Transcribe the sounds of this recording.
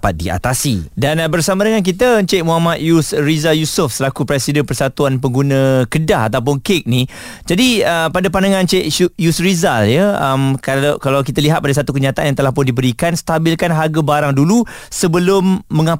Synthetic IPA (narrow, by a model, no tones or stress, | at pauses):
pat̪̚dia̰t̪asḭdanbərsamãdəŋank̬it̪ət͡ʃeʔ̚muɦamat̪̚jusɾizajusʊfsəlakupɾɛsidənpərsat̪uanpəŋɡunə̃kədaɦat̪awp̬ʊnkek̚ni | d͡ʒadiəpadapanaŋãnt͡ʃeʔjusɾizaljəəmkalkalawkit̪aliɦat̪̚padas̬at̪ukəɲat̪aʔanjaŋt̪əlahpʊndibəɾikanst̪abilkanɦaɡabaɾaŋdulu | səbəlʊmːə̃ŋã